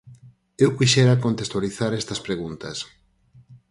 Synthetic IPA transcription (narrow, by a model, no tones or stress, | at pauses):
ewkiʃɛɾakont̪est̪waliθaɾɛst̪ɐspɾeɣunt̪ɐs